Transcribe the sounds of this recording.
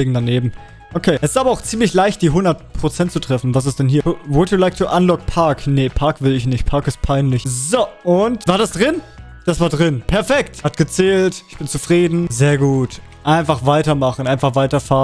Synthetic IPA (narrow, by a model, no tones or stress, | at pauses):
eːɡŋ̩daneːbm̩ | ʔokʰeːʔɛsɪ̥saːbɐaʊxt͡siːmlɪçlaɪçtd̥iːɦʊndɐt̚pʁ̥ot͡sɛntt͡sutʁ̥ɛfn̩vas̬ɪstd̥ɛnɦiːɐvʊtjulaɪktuʔanlɔk̚pʰaɐknəpʰaɐkv̥ɪlɪç̬nɪçt̚pʰaɐkɪst̚pʰaɪnlɪçzoʔʊntvaːɐdasd̥ʁɪn | d̥asv̥aːɐdʁɪnpʰɛɐfɛkthatɡ̥ət͡sɛːltɪçb̥ɪnt͡sufʁ̥iːdn̩zeːɐɡuːt | ʔaɪnfaχv̥aɪtɐmaχn̩ʔaɪnfaχv̥aɪtɐfaːn